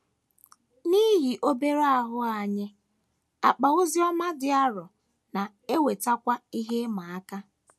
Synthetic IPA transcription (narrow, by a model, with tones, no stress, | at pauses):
ni˦ɦi˨ʔo˦be˦ɾa˦ɦʊ˦a˨ɲe˦ | a˨k͡pa˨ʊ˦zi˦ɔ˦ma˦dɪ˦a˦ɾɔ˨ | na˨ | e˦we˨ta˦kʷa˦i˦ɦe˦ma˨a˦ka˦